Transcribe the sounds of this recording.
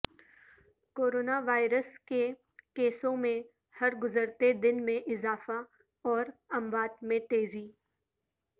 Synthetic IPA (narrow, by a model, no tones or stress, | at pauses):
koːɾoːnaʋaːɪɾəske | keːsõmẽ | hɐɾɡʊzəɾt̪ed̪ɪnmẽʔɪzaːfa | ɔːɾɐ̃mbaːd̪mẽt̪eːziː